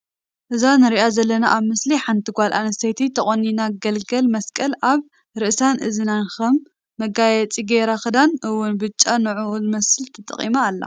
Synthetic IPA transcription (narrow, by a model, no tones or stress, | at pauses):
ʔɨzanɨɾiʔazɐlːɐna̰ʔaβmɨsliħant̪ʰɨɡʷalʔa̰nɐst̪ʰɐjt̪ʰit̪ʰɐχʼonːinaɡɐlɡɐlmɐskʼɐlaβ | ɾɨʔsanʔɨ̰zɨnanxɐmː | ɐɡajɛt͡sʼiɡeɾaxɨd̪anɨwːʊnbɨt͡ʃʼːanɨʕulmɐsɨlt̪ʰɐt̪ʼɐ̰χʼḭmaːlːa̰